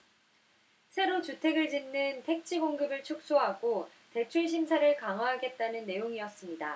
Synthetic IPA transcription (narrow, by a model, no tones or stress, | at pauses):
sʰe̞ɾot͡ɕutʰe̞ɡɯɭt͡ɕinːɯntʰe̞k̚t͡ɕʰiɡoŋɡɯbɯɭt͡ɕʰok̚s͈oɦaɡo | te̞t͡ɕʰuɭɕ̬ʰimsʰaɾɯɭkaŋwaɦaɡe̞t̚t͈anɯnːe̞joŋiʌs͈ɯmɲida